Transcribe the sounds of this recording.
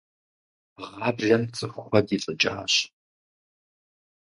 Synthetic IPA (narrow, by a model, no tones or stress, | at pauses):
ʁɑːbrɐmt͡sʼɨxʷxʷɐdiɬʼɨt͡ʃʼa̰ːɕ